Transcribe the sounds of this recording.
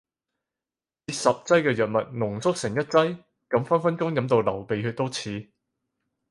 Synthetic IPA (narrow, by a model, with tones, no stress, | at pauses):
t͡siː˨˥sɐ˨p̚t͡sɐ˥jkɛː˧jœː˨˩t̚mɐ˨t̚nʊ˨˩ŋsʊ˥k̚sɪ˨˩ŋjɐ˥t̚t͡sɐ˥j | kɐ˨˥mfɐ˥nfɐ˥nkʊ˥ŋjɐ˨˥mt̪o˧wlɐ˨˩wpe˨jky˨˧t̪o˥wt͡sʰiː˨˧